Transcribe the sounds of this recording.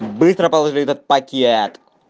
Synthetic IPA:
bɨst̪ɾɐpɐlˠɐʐɨlʲijɛt̪ɐt̪̚pɐkʲeɛt̪

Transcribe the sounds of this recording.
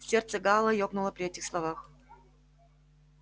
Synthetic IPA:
fsʲert̪səɡɑlˠəjopnʊlˠəpɾʲɪɛtʲɪxslˠɐvax

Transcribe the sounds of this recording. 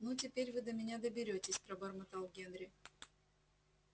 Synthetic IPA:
nutʲɪpʲeɾʲvɨd̪əmʲɪnʲad̪əbʲɪɾʲotʲɪsʲpɾəbɐrmɐt̪alˠɡʲenɾʲɪ

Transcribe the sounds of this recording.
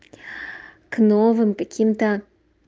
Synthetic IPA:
knovɨmkakʲʰimt̪ɐ

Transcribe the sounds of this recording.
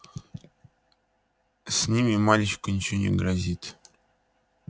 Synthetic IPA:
sʲnʲimʲimalʲit͡ɕkʊnʲɪt͡ɕɪnʲɪ̰ɡɾazʲit̪

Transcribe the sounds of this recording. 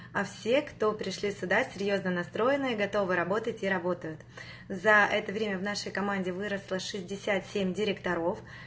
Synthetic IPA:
ɐfsʲe̞kt̪o̞pɾʲɪʂlʲisʲʊd̪asʲɪɾʲjo̞znənɐst̪ɾo̞jɪnɨjəɡɐt̪o̞vɨɾɐbo̞t̪ətʲiɾɐbo̞t̪əjʊt̪ | zɐʔɛt̪əvɾʲemʲəvnaʂəjkɐmanʲdʲɪvɨɾəslˠəʂɨzʲdʲɪsʲat̪sʲemʲdʲɪɾʲɪkt̪ɐɾof

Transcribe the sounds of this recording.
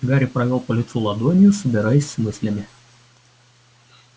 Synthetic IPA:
ɡɑɾʲipɾɐjʲoːpɔlʲɪt̪suːlˠɐd̪uɔnʲɪjusʊbʲɪɾɐɪsʲmʲʊsʲlʲɛmʲɪ

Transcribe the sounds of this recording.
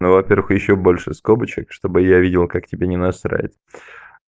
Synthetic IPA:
novɐpʲe̞rvəxjɪɕːobo̞lʲʂɨskobət͡ɕɪkʂt̪o̞bɨjavʲidʲɪlˠkaktʲɪbʲenʲɪnɐsɾa̰ɪ̰t̪

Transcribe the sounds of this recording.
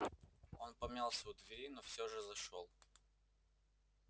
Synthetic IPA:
o̞npɐmnʲalˠsʲəʊd̪vʲɪɾʲinofsʲoʐɨzɐʂolˠ

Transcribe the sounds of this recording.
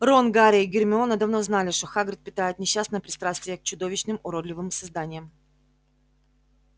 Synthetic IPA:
ronɡaɾʲɪiɡʲɪrmʲɪo̞nəd̪ɐvno̞znalʲɪʂt̪o̞xaɡɾʲɪt̪pʲɪt̪ajʊt̪nʲɪɕːasnəjəpɾʲɪt̪st̪ɾast̪vʲɪjək̚t͡ɕʊd̪o̞vʲɪɕnɨmʊɾod̪lʲɪvɨmsɐzd̪anʲɪjəm

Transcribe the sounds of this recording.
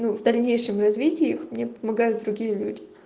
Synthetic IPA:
nuvd̪ɐlʲnʲejʂɨmrɐzvʲitʲɪːixmnʲepəmɐɡajʊt̪̚d̪ɾʊɡʲijəlʲudʲɪ̥

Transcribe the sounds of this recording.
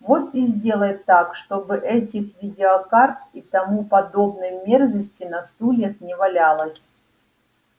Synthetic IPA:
vo̞t̪izʲdʲe̞lˠəjɪt̪ːakʂt̪o̞bɨʔɛtʲɪxvʲɪdʲɪɐkart̪̚it̪ɐmupɐd̪o̞bnɨjmʲerzəsʲtʲɪnɐst̪ulʲet̪nʲɪvɐlʲalˠəsʲ

